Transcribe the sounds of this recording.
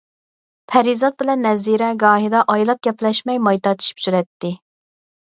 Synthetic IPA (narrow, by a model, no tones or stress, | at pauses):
pʰɛɾizɑt̪̚bɪlɛnːɛziɾɛɡɑːɦid̪ɑʔɑjlˠɑp̚ɡʲɛplɛʃmɛjmɑjt̪ɑt͡ʃ̪ʰi̥ʃi̥pt͡ʃ̪yɾɛt̪ːɪ